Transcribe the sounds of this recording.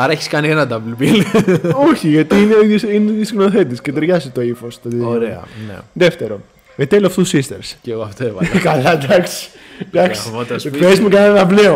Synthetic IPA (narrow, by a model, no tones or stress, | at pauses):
ɐɾɐeçi̥skɐnienɐd̪ɐblbiloçiʝɐt̪iineiðjosineðisɣnoθet̪t̪iscet̪eɾʝɐsit̪oifost̪ooɾeɐ̰nḛðeft̪eɾo | et̪elɐft̪usist̪eɾsceɣoɐft̪evɐ̰kɐlɐd̪ɐksi̥ | d̪ɐksiot̪ɐspezmukɐnɐt̪ɐvleo